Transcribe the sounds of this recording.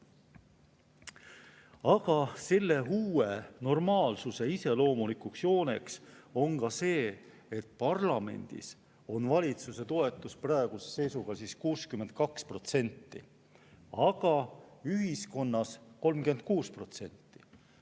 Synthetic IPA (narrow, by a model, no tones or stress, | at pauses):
ɑɡ̥ɑse̞lːe̞ɦuːe̞no̞rmɑːlsuse̞ise̞lo̞ːmulikuksjo̞ːne̞kso̞ŋɡɑse̞ː | et̪̚pɑrlɑme̞̰nʲd̪̥ḭs | o̞nvɑlʲit̪suse̞t̪o̞e̞t̪ːˑusprɑeɡ̥use̥se̞jsuɡ̥ɑsiːskuːskymːe̞nt̪̚kɑkspro̞t̪se̞nʲt̪ːḭ | ɑɡ̥ɑyɦisko̞nːɑsko̞lmkyent̪̚kuːspro̞t̪se̞nʲt̪ːi̥